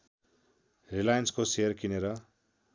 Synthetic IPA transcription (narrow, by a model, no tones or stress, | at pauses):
rilajʌnskosejʌrkineɾʌ